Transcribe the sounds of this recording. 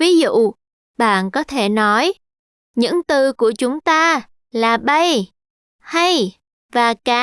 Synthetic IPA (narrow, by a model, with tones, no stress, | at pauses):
vi˨˦zṵ˧˨ | ɓa̰ː˧˨nkɔ˨˦t̪ʰe˧˩nɔ˨˦j | ɲɨ̰˧˥ŋt̪ɨ˧ku˧˩ət͡ɕʊ˨˦ŋ͡mt̪aː˧ | laː˨˩ɓə˧j | ha˧j | vaː˨˩kaː˨˦